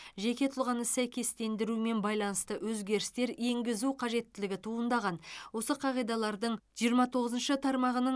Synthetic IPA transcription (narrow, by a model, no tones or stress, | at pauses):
ʒe̞kʲe̞t̪ʰʊlˠʁɑnəsæjkʲe̞st̪e̞nd̪ɪɾume̞nbɑjlˠɑnəst̪əwɵzɡʲe̞ɾɪst̪e̞ɾe̞ŋɡʲɪzuqʰɑʒe̞t̪ːɪlɪɡʲɪt̪ʰuənd̪ɑʁɑnwo̞səqʰɑʁijd̪ɑlˠɑɾd̪əɴʒijəɾmɑt̪ʰo̞ʁəzənʃət̪ʰɑɾmɑʁənəɴ